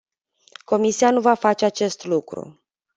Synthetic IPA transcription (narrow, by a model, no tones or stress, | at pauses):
ko̞misianuvafat͡ʃe̞at͡ʃe̞st̪lukɾṵ